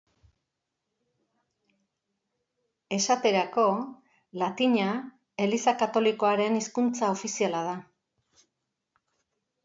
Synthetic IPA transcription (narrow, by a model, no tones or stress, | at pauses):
e̞sat̪e̞ɾako̞ | lat̪iɲa | e̞lisakat̪o̞liko̞aɾe̞niskunt͡sao̞fisialað̞a